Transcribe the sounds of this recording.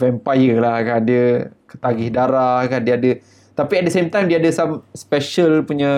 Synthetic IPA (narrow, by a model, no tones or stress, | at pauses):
vɛmpajəlahkadiəkə̥t̪aɡɪhdaɾahkandiəadə | t̪apiɛt̚dəsemt̪ajmdiaadəsãmspɛʃəlpuɲã